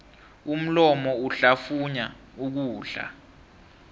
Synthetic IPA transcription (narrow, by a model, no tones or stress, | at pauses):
um̩lɔmɔuɬafuɲa | uk̬uːɬa̰